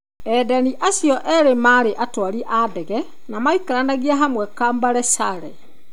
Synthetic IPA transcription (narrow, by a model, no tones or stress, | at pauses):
ɛdaniʔasjɔʔɛɾemaːɾeʔatwaɾiʔadɛɣɛ | namaikaɾanaɣiaɦamwɛkaːmbaɾɛsaɾɛ